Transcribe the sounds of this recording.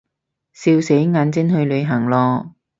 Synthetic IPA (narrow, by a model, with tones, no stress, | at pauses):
siː˧wse˨˥jŋaː˨˧nt͡sɪ˥ŋhɵ˧ɥlɵ˨˧ɦɐ˨˩ŋlɔː˧